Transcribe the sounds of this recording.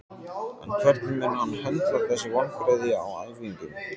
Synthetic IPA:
ɛ̰nkʰvɛɾt̪̚nʏmːɛnːahanːhɛlt̪vaɾθɛsːɪvɔnfɾaðɪa̰wa̰ðvuiɲcɪn

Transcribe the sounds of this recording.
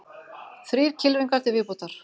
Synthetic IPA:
θɾiːɾ̥cʰɪlvɪŋkaɾ̥t̪ɪvɪːput̪aɾ̥

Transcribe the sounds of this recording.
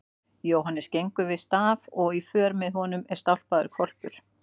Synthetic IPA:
jowɦanːɪscejŋkʏvɪðst̪aːvɔɣifœːɾmɪðɦɔnʏmɛɾ̥st̪awl̥paðʏɾkʰvɔl̥pʏɾ̥

